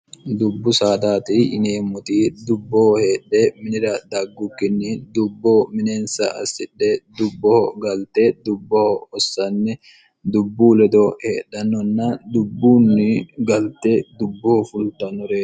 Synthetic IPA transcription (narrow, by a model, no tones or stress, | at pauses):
d̪ʊbːʊsaːd̪aːt̪iɪneːmːʊt̪iːd̪ʊbːɔhɔhe̞ːᶑeːmɪnɪɾɐd̪ɐɡːʊkːɪnːid̪ʊbːoːmɪneːnsɐ̰ʔɐ̰sɪᶑːed̪ʊbːɔhɔɡɐlt̪eːd̪ʊbːɔhɔɔsːɐnːɛ | d̪ʊbːuːlɛd̪oːheːᶑːɐnːɔnːɐd̪ʊbːuːnːɪɡɐlt̪eːd̪ʊbːɔhɔfʊlt̪ɐnːɔɾeː